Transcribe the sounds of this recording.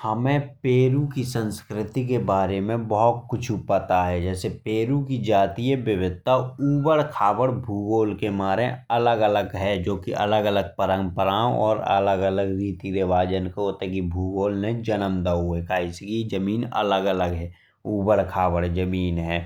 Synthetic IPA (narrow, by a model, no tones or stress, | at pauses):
həmẽpeːɾukisə̃nskɾɪt̪ikebaːɾemẽbɔɦʊt̪̚kʊt͡ʃʰupət̪aɦɛd͡ʒɛːsepeːɾukid͡ʒaːt̪ijəbɪʋɪt̪ːauːbəɽkʰaːbəɽbʱuːɡoːlkemaːɾẽɐləɡələɡɦɛd͡ʒoːkiʔɐ̰ləɡələɡ̚pəɾə̃ŋɡpəɾãːwɔːɾə̰ləɡələɡɾiːt̪iɾɪʋaːd͡ʒənkeɦoːt̪ekibʱuːɡoːlned͡ʒənəmd̪əuekaɪskid͡ʒəmiːnə̰ləɡələɡɦɛː | uːbəɽkʰaːbəɽd͡ʒəmiːnɦɛː